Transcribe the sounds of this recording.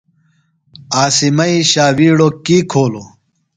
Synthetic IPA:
aːsimɐiɕaːwiːɽokiːkʰoːlo

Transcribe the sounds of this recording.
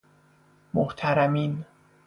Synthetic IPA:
moht̪ʰæɾæmiːn

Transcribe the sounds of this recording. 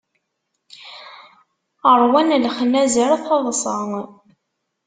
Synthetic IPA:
ərˤwænlχnæzəɾθɑðˤsˤɑŋ

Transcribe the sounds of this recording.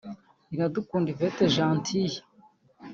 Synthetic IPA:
inadukuːndiveteʒaːntʰiji

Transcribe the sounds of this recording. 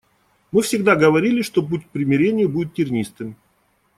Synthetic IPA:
mɨfsʲɪɡd̪aɡəvɐɾʲilʲɪʂt̪o̞p̬utʲkpɾʲɪmʲɪɾʲenʲɪjʊbudʲɪt̪ːʲɪrnʲist̪ɨm

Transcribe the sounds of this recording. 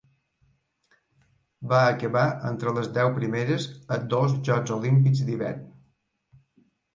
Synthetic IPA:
baəkəβaʔənt̪ɾələzd̪ɛwpɾimeɾəzəd̪ozʒɔzolimpikzd̪iβɛ̰rn

